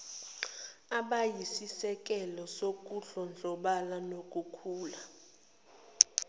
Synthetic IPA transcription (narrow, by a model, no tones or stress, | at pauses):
aɓajisisɛk̬ʼɛlɔsok̬ʼuɬɔnd͡ɮʱɔɓalanok̬ʼukʰuːla